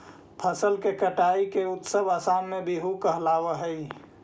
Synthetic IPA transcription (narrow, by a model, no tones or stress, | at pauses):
pʰəsəlkekəʈaːikeʊt̪səbaːsaːnmẽbiɦukəɦlaːʋəɦəi